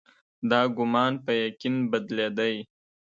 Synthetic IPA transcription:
d̪ɑɡʊmɑnpəjakinbad̪led̪aj

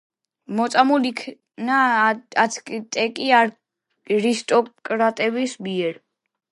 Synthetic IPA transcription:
mɔt̪sʼamulikʰ | naatsʰkʼit̪ʼɛkʼiaɾ | ɾist̪ʼɔkʼɾat̪ʼɛbisbiɛɾ

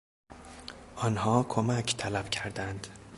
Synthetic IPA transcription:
ʔɒːnhɒːkʰomæcʰt̪ʰælæb̥cʰæɾd̪ænd̪̥

